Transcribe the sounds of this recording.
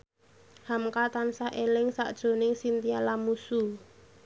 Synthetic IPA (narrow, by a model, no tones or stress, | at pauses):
hamkat̪ansaʔelɪŋsa̰ʔd̥ʒ̥o̤nɪŋsint̪ialamusu